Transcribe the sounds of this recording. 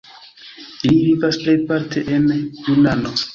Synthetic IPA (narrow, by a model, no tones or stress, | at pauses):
ilivivasplejpaɾtʰe̞ʔenjunano